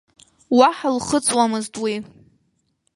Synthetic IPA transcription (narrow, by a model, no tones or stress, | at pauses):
waħalχət͡sʼwamɨztʼwi